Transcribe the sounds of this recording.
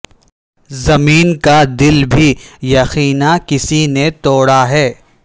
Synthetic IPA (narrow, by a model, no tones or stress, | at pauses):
zɐmiːnkad̪ɪlbʱijɐxiːnakɪsinet̪oːɽaɦɛː